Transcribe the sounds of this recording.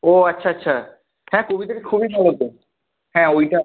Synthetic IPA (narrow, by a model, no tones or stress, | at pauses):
oːɐtːɕʰaɐtːɕʰa | hɛ̃kobit̪akekʰubibʱalot̪o | hɛ̃ojʈa